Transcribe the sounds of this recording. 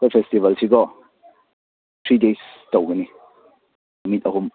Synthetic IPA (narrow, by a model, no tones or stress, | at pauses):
kɔjfɛstivɐlt͡ʃʰikɔ | t̪ʰɾidestowɡəni | mit̚ɐɦum